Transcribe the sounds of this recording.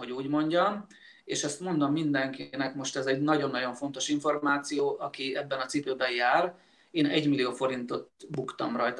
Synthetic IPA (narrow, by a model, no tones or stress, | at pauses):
ɦoɟuːɟmo̞ɲɟɒm | eːʃɛst̪mo̞nd̪o̞mːind̪ɛŋkinɛkmo̞ʃt̪ɛzɛɟnɒɟo̞nːɒɟo̞ɱfo̞n̪t̪o̞ʃiɱfo̞rmaːt̪sijoːʔɒkiɛbːɛnɒt̪sipøːbɛjjaːr | eːnɛɟmilijoːfo̞ɾint̪o̞t̪bukt̪ɒmrɒjt̪